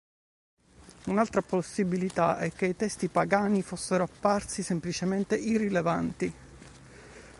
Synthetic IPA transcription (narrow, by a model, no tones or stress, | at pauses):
unalt̪ɾaposːibilit̪aʔɛkːeit̪ɛst̪ipaɡaːnifosːeɾoapːarsisemplit͡ʃement̪eʔirːilevant̪i